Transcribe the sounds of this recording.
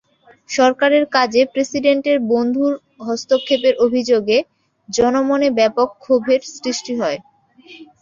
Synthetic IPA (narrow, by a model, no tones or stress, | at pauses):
ʃɔɾkaɾeɾkad͡ʑepɾesiɖeɳʈeɾbond̪ʱuɾ | ɦɔst̪okʰːepeɾʔobʱid͡ʑoɡe | d͡ʑɔnomonebɛpokʰːobʱeɾsɾiʃʈiɦɔe